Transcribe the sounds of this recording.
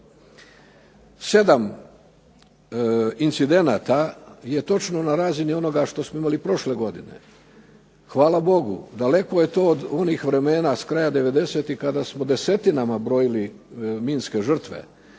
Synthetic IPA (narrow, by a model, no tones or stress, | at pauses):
se̞d̪am | int̪sid̪e̞naːt̪aje̞t̪o̞t͡ʃnonaɾaːzinio̞no̞ɡaʃt̪o̞smoimalipɾo̞ʃle̞ɡo̞d̪ine̞̰ | xʋaːlabo̞ɡṵd̪ale̞ko̞je̞t̪o̞ːod̪o̞niːxʋɾe̞me̞ːnaskɾajad̪e̞ʋe̞d̪e̞se̞t̪ixkad̪asmod̪e̞se̞t̪inamabɾo̞jili | miːnske̞ʒr̩t̪ʋḛ